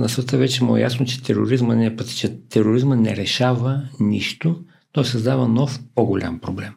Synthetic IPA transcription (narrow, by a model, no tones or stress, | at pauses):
nɐsət̪əvɛt͡ʃɛmo̰ɛ̰ja̰snot͡ʃɛ̥t̪ɛɾo̰ɾizmənɛpɐt̪t͡ʃɛt̪ʰɛɾoɾizmənɛɾɛʃavəniʃt̪o | nɔsəzd̪avənɔfpoɡolʲa̰mpɾoblɛm